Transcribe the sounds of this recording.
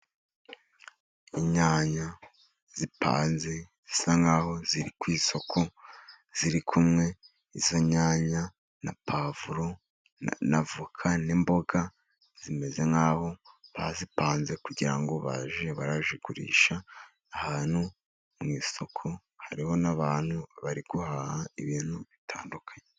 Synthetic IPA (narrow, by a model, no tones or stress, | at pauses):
iɲaːɲa | z̥ipa̰ːnze̞z̥isaŋɡaːho̞ziɾikwiːso̞kʰo | z̥iɾikʰumŋe̞ | izoɲaːɲa | napʰaːvuɾo | na̰vukʰanimbo̞ɡa | z̥ime̞ze̞ŋɡaːho̞βa̰zipaːnze̞kuɟiɾa̰ŋɡo̞βa̰ʒieβaɾaʒiɡuɾḭːʃa | ahaːn̥hu | mŋiːso̞kʰo̞ | haɾiho̞naβaːn̥huβaɾiɡ̥uhaːhaiβiːn̥huβitʰaːndukʰḁɲe